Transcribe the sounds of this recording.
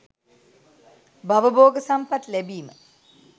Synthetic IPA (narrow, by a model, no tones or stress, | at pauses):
baʋəboːɡəsampat̪læbiːmə